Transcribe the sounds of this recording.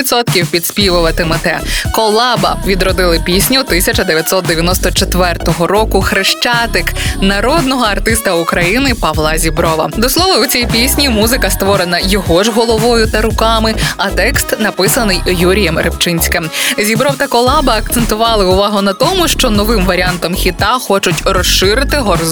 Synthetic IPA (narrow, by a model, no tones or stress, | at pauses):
it̪sɔt̪̚kʲiwpʲid̪sʲpʲiʋʊʋɐt̪ɪmɛt̪ɛkɔlˠɑbɐ̰ʋʲid̪ɾɔd̪ɪlˠɪpʲisʲnʲʊt̪ɪsʲɐt͡ʃɐd̪eʋʲjɐt̪sɔt̪̚d̪eʋʲjɐnɔst̪ɔt͡ʃet̪ʋɛrt̪ɔɦɔɾɔkʊxɾɪʃt͡ʃɑt̪ɪknɐɾɔd̪nɔɦɔɐrt̪ɪst̪ɐʊkɾɐjinɪpɐʋlˠɑzʲibɾɔʋɐ̰d̪ɔslˠɔʋɐʊt͡sʲijpʲisʲnʲimuzɪkɐst̪ʋɔɾenɐjɔɦɔʒɦɔlˠɔʋɔjʊt̪ɐɾʊkɑmɪɐt̪ɛkst̪nɐpɪsɐnɪjjuɾʲijɛmɾept͡ʃɪnʲsʲkɪmzʲibɾɔwt̪ɐkɔlˠɑbɐːk̚t̪sent̪ʊʋɑlˠɪʊʋɑɦʊnɐt̪ɔmʊʃt͡ʃɔnɔʋɪmʋɐɾʲiant̪ɔmxʲit̪ɑxɔt͡ʃʊtʲrɔsʃɪɾɪt̪ɪɦɔr